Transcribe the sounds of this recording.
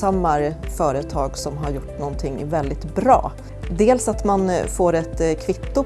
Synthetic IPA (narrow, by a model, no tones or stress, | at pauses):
amːaɾfœːɾət̪ʰɑːɡsɔmɦaɾjʊʈːnɔnt̪ʰɪŋːvɛld̪ɪt̪bɾɑ̰ː | d̪eːlsat̪manfoːɾɛt̪kʰvɪt̪ːʊ